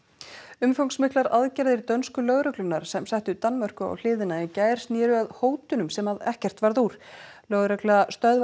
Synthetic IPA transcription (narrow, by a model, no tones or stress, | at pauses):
ʏmfowŋksmɪhklaɾaðcaɾðɪɾt̪œnskʏlœɣɾœklʏnːaɾ̥sɛmsajht̪ʏt̪anːmœr̥kʏa̰wl̥ɪːðɪnaincaːjɾ̥snjɛːɾʏaðhoːwt̪ʏnʏmsɛmaðɛhcɛr̥t̪vaɾðuɾ̥lœɣɾœklast̪œð